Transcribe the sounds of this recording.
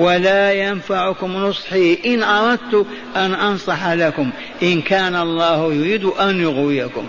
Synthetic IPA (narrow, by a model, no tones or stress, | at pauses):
walaːjanfaʕʊkʊmnʊsˤħiːʔɪnʔɑɾˤɑd̪̚t̪ʊ | ʔanʔɑnsˤɑħalakʊm | ʔɪnkaːnaʔɑlˤːɑːhjʊɾiːd̪ʊʔanjʊɣwɪjakʊ̰m